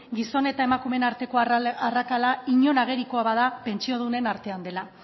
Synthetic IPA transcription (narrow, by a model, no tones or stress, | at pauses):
ɡiso̞ne̞t̪ae̞makume̞naɾt̪e̞koarakalaiɲo̞naɣ̞e̞ɾikoaβaðape̞nt͡ʃio̞ð̞une̞naɾt̪e̞and̪e̞la